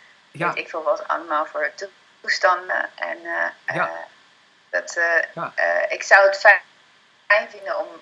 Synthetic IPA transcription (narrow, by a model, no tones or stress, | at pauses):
tɪkfolˠʋɔtɑ̰ləmaːlˠvʊːɹtu | stɑndə̰ʔɛ̰n | d̥ɑtː | ɪksawətfɛ | ɛjnvɪndənɔm